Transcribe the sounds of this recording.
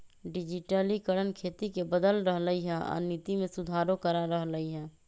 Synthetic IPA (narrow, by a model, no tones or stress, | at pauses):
ɖid͡ʒiʈəlikəɽənkʰet̪ikebəd̪əlɾəɦləiɦɛ̃a̰nit̪imesud̪ʱaɾokəɾaɾəɦləiɦɛ̃